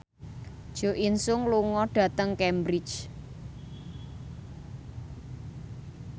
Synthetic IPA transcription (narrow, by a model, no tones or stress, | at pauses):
d̥ʒ̥o̤ʔinsʊŋluŋɔɖ̥ä̤t̪əŋkɛmbɾi̥t͡ʃ